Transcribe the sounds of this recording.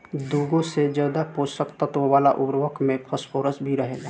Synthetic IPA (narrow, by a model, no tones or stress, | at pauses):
d̪uːɡõsed͡ʒjaːd̪apoːsəkt̪ət̪oʋaːlaʔʊbɾʋəkmẽpʰəspʰoːɾəsbʱiɾəɦeːɡa